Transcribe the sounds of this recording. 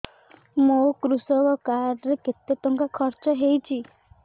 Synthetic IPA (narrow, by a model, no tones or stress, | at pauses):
mokɾusɔkɔkaɾɾeket̪jɔt̪ɔŋkakʰɔɾt͡ʃɔɦejt͡ʃʰi